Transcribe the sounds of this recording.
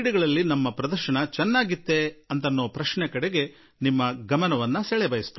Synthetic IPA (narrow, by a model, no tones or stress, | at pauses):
ɽiɡɐɭɐlːinɐmːɐpɾɐd̪ɐɾʃɐɳɐt͡ʃɛnːaːɡit̪ːe̞ɐnt̪ɐnːoːpɾɐʃɳɛkɐɽeɡe̞ | nimːɐɡɐmɐnɐʋɐnːɐsɛɭɛbɐjist̪